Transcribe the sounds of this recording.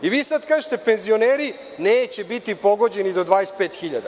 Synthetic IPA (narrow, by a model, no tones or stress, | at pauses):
iʋiːsad̪kaːʒet̪e̞pe̞nzio̞neːɾi | neːt͡ɕebit̪ipo̞ɡo̞d͡ʑenid̪o̞d̪ʋaːjespeːt̪xiʎad̪a